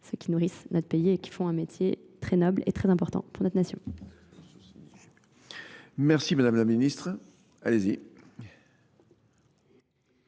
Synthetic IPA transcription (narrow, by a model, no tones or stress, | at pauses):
søkʲinuʁisnɔt̪pejiekʲi̥fɔ̃ɛ̃met̪jet̪χɛnɔblḛt̪χɛzɛ̃pɔʁt̪ɑ̰̃puʁnɔt̪nasjɔ̃ | mɛʁsimad̪amlaminist̪χ | alezi